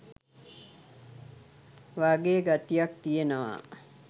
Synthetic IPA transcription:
ʋaɡeɡat̪ijak̚t̪ijenəʋa̰

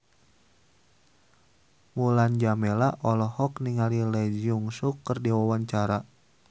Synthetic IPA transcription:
muland͡ʒamɛlaʔɔlɔhɔkniŋalilɛd͡ʒiuŋsukːərdiwawaɲt͡ʃaɾa

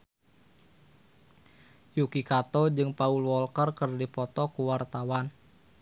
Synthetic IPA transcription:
jukikat̪ɔd͡ʒɨŋpaulwɔlkərkərdipɔt̪ɔkuwart̪awan

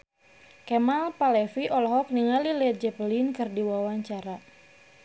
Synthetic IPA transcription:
kɛmalpalɛfiʔɔlɔɦɔk̚niŋalilɛt̪̚d͡ʒɛpəlinkɨrdiwawaɲt͡ʃaɾa

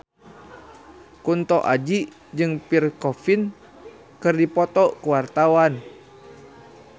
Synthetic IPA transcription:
kunt̪ɔʔad͡ʒiʔ | d͡ʒɨŋpirkɔfin | kɨrdipɔt̪ɔkuwart̪awan

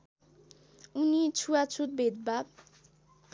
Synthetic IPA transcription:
unit͡sʰuat͡sʰut̪̚bʱed̪̚bab̚

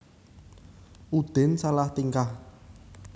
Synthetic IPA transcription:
ud̪̥e̤nsalaht̪iŋkah

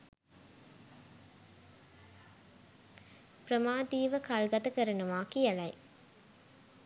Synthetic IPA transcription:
pɾɐmaːd̪iːʋɐkalɡɐt̪ɐkɐɾɐɳɐʋaːkiɐlɐɪ

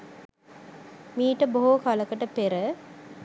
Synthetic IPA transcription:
miːʈəboɦokaləkəʈəpeɾə

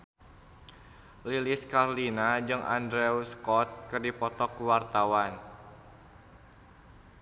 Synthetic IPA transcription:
liliskarlinad͡ʒɨŋʔa̰ndɾɛwskɔt̪̚kɨrdipɔt̪ɔkwart̪awan

